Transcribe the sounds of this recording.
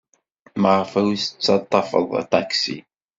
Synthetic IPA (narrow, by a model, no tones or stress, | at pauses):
məʕfæwisə̥t͡sːɑt̪ˤːɑfə̰ðˤa̰t̪aksḭ